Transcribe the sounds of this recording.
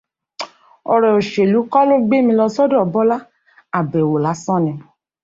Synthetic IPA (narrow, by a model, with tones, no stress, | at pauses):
ɔ˧ɾɛ˨o˨ʃe˨lu˨˦kɔ˦lo˦ɡ͡be˦mĩ˧lɔ˧sɔ˦dɔ̃˦˨bɔ˦la˦ | a˨bɛ˨wo˨la˨˦sɔ̃˦nɛ̃˧